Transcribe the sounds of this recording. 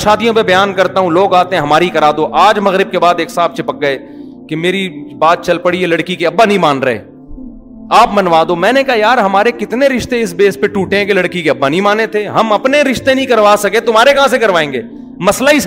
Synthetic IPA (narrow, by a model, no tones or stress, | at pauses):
ʃaːd̪ijõpebɐjaːnkɐɾt̪aɦũloːɡaːt̪eɦɛ̃ɦɐmaːɾikɐɾaːd̪oʔaːd͡ʒmɐɣɾɪb̚kebaːd̪eːksaːft͡ʃʰɪpək̚ɡɐe | kemeːɾibaːt̪̚t͡ʃɐlpɐɽielɐɽkikeɐbːanəɐɦĩmaːnɾɐɦḛː | aːpmɐnʋaːd̪omɛ̃ːnekɐɦajaːɾɦɐmaːɾekɪt̪neɾɪʃt̪eɪs̬beːspeʈuːʈẽɦɛ̃kelɐɽkikeɐbːanɐɦĩmaːnet̪ʰeːɦɐmɐpneɾɪʃt̪ẽnɐɦĩkɐɾʋaːsɐket̪ʊmaːɾekɐɦãs̬ekɐɾʋaːẽːŋɡeː | mɐslaɪs